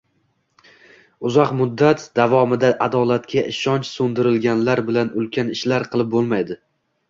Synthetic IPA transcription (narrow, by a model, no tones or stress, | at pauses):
ʊzɒqmʊd̪ːat̪d̪̥avɒmɪd̪aʔad̪ɒlˠat̪kʲaʔɪʃɒnt͡ʃsond̪ɪɾɪlɡʲanlaɾbɪlanʊlˠkʲʰanɪʃlaɾqʰɨlˠɪp̚bolˠmajd̪ɪ